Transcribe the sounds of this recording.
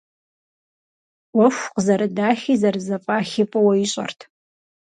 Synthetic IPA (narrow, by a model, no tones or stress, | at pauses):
wɐʃʷqzɐɾɨdaːχʲizɐrzɐpʼaːχʲɪpʼɐwɐiɕʼɐ̰rtʰ